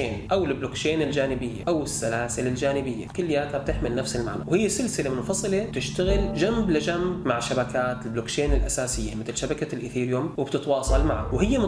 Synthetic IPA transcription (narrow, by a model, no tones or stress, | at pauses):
eːnʔawɪlblokt͡ʃeːnɪld͡ʒaːnɪbɪjːa̰ʔawɪsːalaːsɪlɪld͡ʒaːnɪbɪjːakʊlːjaːt̪hab̚t̪ɪħmɪlnafsɪlma̰ʕna̰whɪjːesɪlsɪlemʊfɑsˤɨlet̪ɪʃt̪aɣɪld͡ʒamblɪd͡ʒambːaʕʃabakaːt̪ɪlbloːkt͡ʃeːnɪlʔasaːsɪjːamɪt̪ɪlʃabakalʔɪθiːɾjoːmwɪb̥t̪ɪt̪wɑːsˤɑlma̰ʕa̰whɪjːem